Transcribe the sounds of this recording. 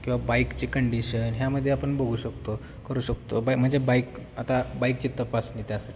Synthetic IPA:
kĩw̃ʋabaikt͡ɕiːkəɳɖiɕənɦjaməd̪ʱːjeapəɳboɡʱuːɕəkt̪o | kəɾuːɕək̚t̪obajkm̤əɳd͡zebaikat̪abaik̚t͡ɕit̪ːəpasnit̪jasaʈʰi̥

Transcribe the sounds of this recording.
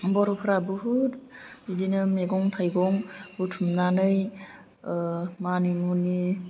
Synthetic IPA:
bɔɾopʰɾabuɦut̚idinɯmeɡɔŋtʰajɡɔŋbutʰumnanɯj | manimuni

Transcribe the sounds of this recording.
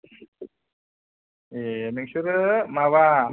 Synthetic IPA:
emek̚suɾmaβa

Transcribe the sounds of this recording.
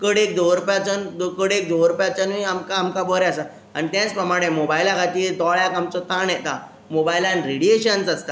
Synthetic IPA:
kəɽekd̪oɾupjat͡sənd̪okəɽek̚d̪oʋɾupjat͡ɕənuiamkaːmkabɔɾaasa | a̰ñit̪jãt͡spɾəmaɽ̃emobailãkat̪id̪ɔɭjakamt͡sɔt̪anjɛt̪a | mobajlãnɾeɽieɕənt͡sast̪a

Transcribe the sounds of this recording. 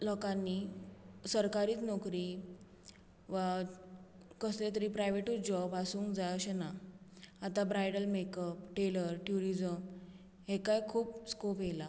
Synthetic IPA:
lɔkãnːisəɾkaɾiːt͡snɔkɾi | ʋa | kəslet̪̬əɾiːpɾajʋeʈud͡ʑɔbɦasuːŋkd͡zajəɕena | at̪abɾajɽəlmekəpʈeləɾʈjuɾid͡zəm | ɦekajkʰuːpskopjela

